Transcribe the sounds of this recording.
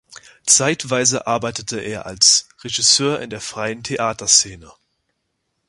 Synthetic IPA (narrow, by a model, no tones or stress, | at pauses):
t͡saɪtv̥aɪzəʔaɐbaɪtətʰəʔeːɐʔa̰lsʁeʒɪsøːɐʔɪ̰ndeːɐfʁ̥aɪəntʰeʔaːtʰɐst͡seːnə